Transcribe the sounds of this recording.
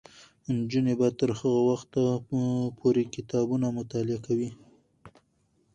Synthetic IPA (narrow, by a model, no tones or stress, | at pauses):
nd͡ʒunebat̪əɾhəɣawaxt̪apʰoɾekɪt̪ɑbunamʊt̪ɑlɪakawi